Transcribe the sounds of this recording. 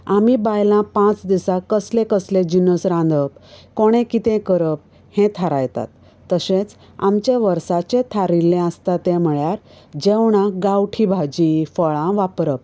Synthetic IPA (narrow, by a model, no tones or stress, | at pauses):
amibajlãpãt͡sd̪isakəslẽkəslẽd͡ʑinəsɾãnd̪əp̚koɽ̃ẽkit̪ẽkəɾəp̚ | hẽt̪ʰaɾajt̪a̰t̪ː | əɕẽt͡s | a̰mt͡ɕeʋəɾsat͡ɕẽt̪ʰaɾilːẽə̃st̪at̪ẽm̤əɭjaɾ | d͡ʑewɳãɡawʈʰibʱad͡ʑifəɭãʋapɾəp̚